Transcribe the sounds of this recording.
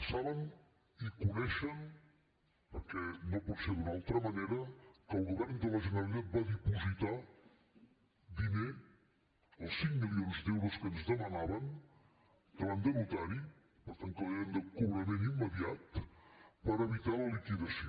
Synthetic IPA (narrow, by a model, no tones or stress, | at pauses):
saβən | ikunɛʃən | pəɾkɛnoputseðunalˠt̪ɾəməneɾəkəlˠɣuβɛɾnd̪ələʒənəlˠit̪at̪̚baðipuzit̪a | d̪ine | əlˠsːiŋmilionzd̪ɛwɾoskənzðəmənaβən | k̪əland̪əɾut̪aɾi | pəɾt̪aŋk̪əleənd̪əkuβɾəmẽnimːəðiat̪ | pəɾəβit̪aləlikiðəsio